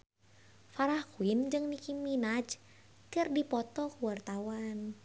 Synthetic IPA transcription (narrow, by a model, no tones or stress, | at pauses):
faɾakuind͡ʒɨŋnikiminad͡ʒ | kərdipɔt̪ɔkuwart̪awan